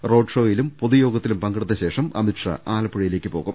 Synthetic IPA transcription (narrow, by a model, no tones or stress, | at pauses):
ro̞ːɖʂo̞ːjilumpoðujo̞ːɡɐt̪ːilumpɐŋɡiɽɨt̪ðːɐɕe̞ːʂɐmɐ̰miʈʂɐ̰ʔaːlɐpːiɻɐjile̞ːkʲːɨpo̞ːɣum